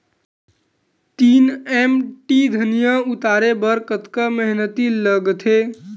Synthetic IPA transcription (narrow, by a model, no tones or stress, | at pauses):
t̪iːnemʈid̪ʱənijãut̪aːɾebəɾkət̪kəməɦnət̪iləɡt̪ʰe